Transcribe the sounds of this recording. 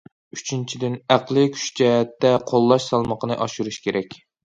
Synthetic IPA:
yt͡ʃʰint͡ʃʰid̪ɪnæqlˠɨkʲʰy̥ʃt͡ʃʰɛt̪ʰːɛqʰolˠːɑʃsɑlˠməqʰənɨʔɑʃuɾuʃkʲeɾɛkʲ

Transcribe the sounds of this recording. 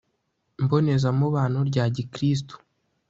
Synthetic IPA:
mbo̞ne̞zamuβaːnhoɾɟaːɟikɾis̬to̥

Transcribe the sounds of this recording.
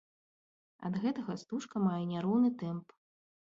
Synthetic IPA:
ɐ̰d̪ɣɛt̪ɐɣɐst̪uʂkɐmajɛnʲaɾɔwnɨt̪ɛmp

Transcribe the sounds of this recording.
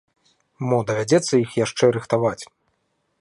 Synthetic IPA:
mɔd̪ɐvʲad͡zʲɛt̪sːɐjixjaʂt͡ʂɛɾɨxt̪avat͡sʲ

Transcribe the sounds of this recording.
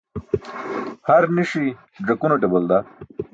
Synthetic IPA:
hɐɾniʂi | ɖɐkunoʈebold̪a

